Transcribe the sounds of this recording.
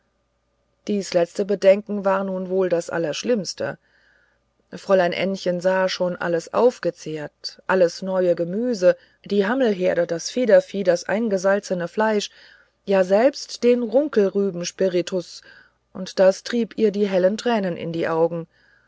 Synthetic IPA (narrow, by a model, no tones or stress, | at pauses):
d̥iːslɛt͡stəbədɛŋkŋ̩vaːɐnuːnvoːldasʔa̰lɐʃlɪmstə̰ | fʁ̥ɔlaɪnʔɛ̰nçənzaːʃoːnʔa̰ləsʔa̰ʊfɡ̥ət͡seːɐtʔaləsnɔʏəɡəmyːzə | d̥iːɦaml̩ɦeːɐɾədasfeːdɐfiːdasʔa̰ɪnɡəzalt͡sənəflaɪʃ | jaːzɛlpstd̥eːnʁʊŋkl̩ʁyːbm̩ʃpɪʁitʰʊs | ʔʊntd̥astʁ̥iːpiːɐdiːɦɛləntʁ̥ɛːnənʔɪ̰ndiːʔaʊɡŋ̩